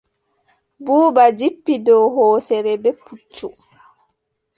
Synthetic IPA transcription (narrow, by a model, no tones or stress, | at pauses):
buːbad͡ʒipːidɔwɦɔːsɛɾɛbɛput͡ʃːu